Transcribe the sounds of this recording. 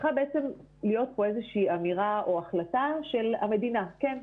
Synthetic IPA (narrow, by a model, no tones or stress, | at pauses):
χabe̞et͡se̞m | lijo̞t̪̚po̞e̞zeʃiːamiʁaʔo̞aχlataʃe̞lhame̞d̪inake̞n